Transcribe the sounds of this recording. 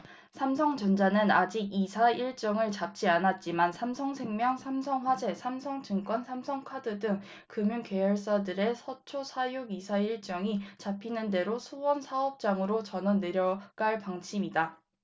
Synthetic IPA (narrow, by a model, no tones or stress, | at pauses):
sʰamsʰʌŋd͡ʑʌnd͡ʑanɯnad͡ʑiɡisʰaiɭt͡ɕ͈ʌŋɯɭt͡ɕap̚t͡ɕ͈ianat̚t͡ɕ͈imansʰamsʰʌŋsʰe̞ŋmjʌŋsʰamsʰʌŋɸwad͡ʑe̞sʰamsʰʌŋd͡ʑɯŋk͈wʌnsʰamsʰʌŋkʰadɯdɯŋ | kɯmjuŋke̞jʌɭs͈adɯɾe̞sʰʌt͡ɕʰosʰajuɡisʰaiɭt͡ɕ͈ʌŋit͡ɕapʰinɯnde̞ɾosʰuwʌnsʰaʌp̚t͡ɕ͈aŋɯɾot͡ɕʌnʌne̞ɾjʌɡaɭpaŋt͡ɕʰimida